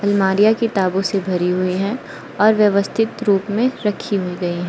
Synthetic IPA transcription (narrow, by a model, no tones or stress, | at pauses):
ɐlmaːɾijakit̪aːbõsebʱɐɾiɦʊiɦɛ̃ | ɔːɾʋjɐʋəst̪ʰɪt̪ɾuːpmẽɾɐkʰiɦʊiɡɐiɦɛ̃ː